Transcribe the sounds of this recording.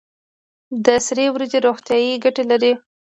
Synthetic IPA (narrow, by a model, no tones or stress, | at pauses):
d̪əsɾewɾazeɾoxt̪jɑjiɡaʈelaɾi